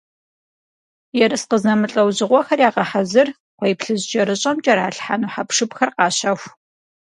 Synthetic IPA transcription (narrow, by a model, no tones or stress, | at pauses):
jɛɾɨsqəzɐmɨɬʼɐwʑɪʁʷɔxɐrjaːʁɐħazɨr | qʷejpɬɨʑt͡ʃʼɐɾɨɕʼɐmt͡ʃʼɐɾaːɬħaːnuːħapʂɨpxɐrqɑːɕɐxʷ